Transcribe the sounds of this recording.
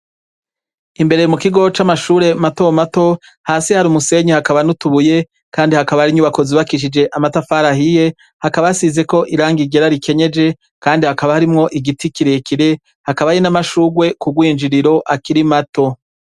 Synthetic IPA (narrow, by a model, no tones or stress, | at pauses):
imbe̞ɾemukiɡo̞t͡ʃamaʃuːɾe̞matomato̞ | haːsihaɾumuse̞ɲihakaβanutuβuje̞ | kaːndihakaβahaɾiɲuβako̞ziβakiʃ̬id͡ʒe̞ʔamatafaɾahije̞ | hakaβajasize̞ko̞ʔiɾaːŋɡiɡe̞ɾaɾikʰe̞ɲe̞d͡ʒe̞ | kaːndihakaβahaɾimŋo̞ʔiɡitikiɾekiɾe̞ | hakaβajenamaʃuːɡwe̞kuɡwiːnd͡ʒiɾiɾo̞ʔakiɾimato̞